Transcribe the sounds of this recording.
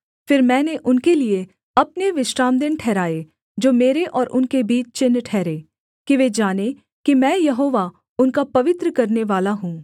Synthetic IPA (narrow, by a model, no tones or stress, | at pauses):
fɪɾmɛ̃ːneʔʊnkelie | ɐpneʋɪʃɾaːmd̪ɪnʈʰɛːɾaːe | d͡ʒoːmeːɾeʔɔːɾʔʊnkebiːt͡ʃt͡ʃɪnːʈʰɛːɾeː | kiʋed͡ʒaːne | kimɛ̃ːjɐɦoːʋa | ʊnkapɐʋɪt̪ɾəkɐɾneʋaːlaɦũː